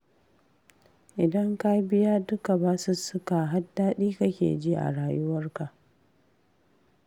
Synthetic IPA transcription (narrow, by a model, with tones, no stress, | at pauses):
ʔɪ˨dɐ˦ŋka˦bɪ˦jaː˦dʊ˦ka˨baː˦su˦sʊ˦ka˨ɦa˦dːaː˦ɗiː˦ka˦kʲḛː˨d͡ʒiː˦ʔa̰˨ɽaː˨jʊ˦wɐ˦rka˨ʔ